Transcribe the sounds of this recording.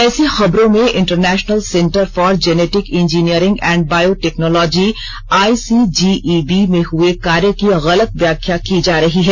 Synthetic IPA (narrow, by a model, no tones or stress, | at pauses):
ɛːsexɐbɾõmẽʔɪ̃ɳʈəɾnɛːʃnəlsɛ̃ɳʈəɾfɔːɾd͡ʒɛneːʈɪkɪ̃nd͡ʒiːniəɾɪ̃ŋɡɛ̃ːɳɖ̚baːjoʈɛːknɔːlɔːd͡ʒi | aːisiːd͡ʒiːʔibimẽɦʊekaːɾjəkiɣɐlət̪ʋjaːkʰjakid͡ʒaːɾɐɦiɦɛː